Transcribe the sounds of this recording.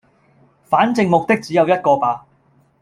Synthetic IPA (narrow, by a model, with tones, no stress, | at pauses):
faː˨˥nt͡sɪ˧ŋmʊ˨k̚t̪ɪ˥k̚t͡siː˨˦jɐ˨˧wjɐ˥t̚kɔː˧paː˨˧